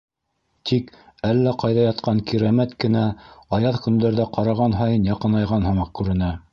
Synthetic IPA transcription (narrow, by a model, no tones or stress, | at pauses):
t̪ʰikælːæqɑjðɑjɑt̪̚qʰɑŋkiɾæmæt̪kɘ̆næɑjɑðkɵ̆nd̪æɾðæqɑɾɑʁɑnɦɑjɤnjɑqɤ̆nɑjʁɑnhɤ̆mɑq̚kʉɾɘ̆næ